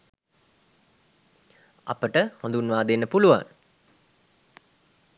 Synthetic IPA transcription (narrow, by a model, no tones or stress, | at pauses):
a̰pəʈəhãnd̪unʋaːd̪enːəpuluʋa̰ŋ